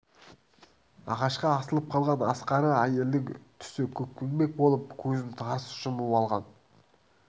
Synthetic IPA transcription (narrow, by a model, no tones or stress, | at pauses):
ɑ̰ʁɑʃqɑːsəlˠəp̚qʰɑlˠʁɑnɑsqɑɾəæje̞ld̪ɪŋt̪ʰʏ̥sɪkʲʰɵk̚kʲːenbe̞k̚bo̞lˠəp̚kʲʰɵzɪmt̪ʰɑɾsʃəməpɑlˠʁɑn